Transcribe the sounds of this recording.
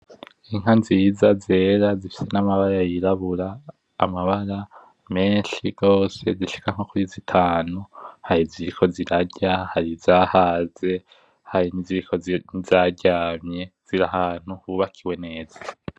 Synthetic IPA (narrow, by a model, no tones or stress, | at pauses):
iŋ̥hanzizaze̞ːɾazifi̥se̞namaβaɾajiɾaβuɾa̰ː | maβaɾa | me̞ːnʃiɡ̥o̞ːse̞ziʃi̥kaŋ̥o̞kuɾizitʰaːnuhaɾiziɾikʰo̞ziɾaɟahaɾizaːhaze̞ | haɾiniziikʰo̞nizaɟaːmɲe̞z̥iɾahaːn̥uhuːβakʰiwe̞ne̞ːz̥ḁ